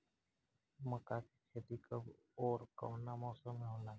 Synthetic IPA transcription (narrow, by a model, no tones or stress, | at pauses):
məkaːki̥t͡ʃʰed̪ikəb | oːɾko̰ːnamɔːsəmːɦõːlaː